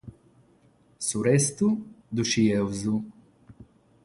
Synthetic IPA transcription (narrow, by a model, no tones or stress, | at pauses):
suɾɛst̪u | d̪uʃiɛwzu